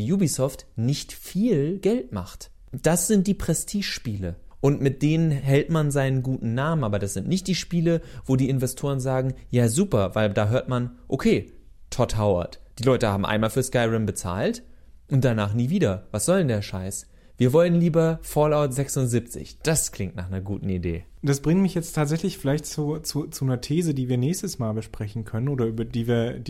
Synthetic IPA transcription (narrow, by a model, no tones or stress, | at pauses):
juːbisɔftnɪçtfiːlɡ̥ɛltma̰χt | d̥asz̥ɪnt̚d̥iːpʁ̥ɛstʰiːʃpiːləʔʊntmɪt̚d̥eːnənɦɛltmanzaɪnənɡuːtn̩naːmənʔaːbɐdasz̥ɪntnɪçt̚d̥iːʃpiːləvoːdiːɪnvɛstʰoːʁənzaːɡŋ̩jaːzuːpɐvaɪldaːɦøːɐtmanʔokʰeː | tʰɔthaʊɐ̰td̥iːlɔʏtəhaːbm̩ʔa̰ɪnmaːlfyːɐskaɪʁɛmbət͡sa̰ːltʔʊnt̚d̥anaːχniːviːdɐvasz̥ɔləndeːɐʃaɪs | v̥iːɐvɔlənliːbɐfɔlaʊtz̥ɛksʊntzip̚t͡sɪ̰çd̥askl̥ɪŋtna̰ːχnɐɡuːtn̩idḛː | d̥asb̥ʁɪŋtmɪçjɛt͡stʰːaːtz̥ɛçlɪçfɪlaɪçtt͡sut͡sut͡sunɐtʰeːzədiːviːɐnɛːçstəsmaːlbəʃpʁ̥ɛçn̩kʰœnənʔoːɾɐʔyːbɐdiːviːɐd